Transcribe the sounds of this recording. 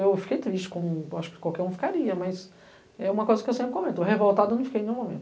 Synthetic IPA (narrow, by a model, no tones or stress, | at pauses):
ewfi̥kejt̪ɾiʃt͡ʃɪ̥kõw̃aʃʊ̥kɪ̥kwawkɛɾũfi̥kaɾiɐmɐs | ɛũmɐkojzɐkɪewsẽmpɾɪkomẽnt̪ɦevowt̪ad̪ʊnũwfikejnẽjũmomẽnt̪ʊ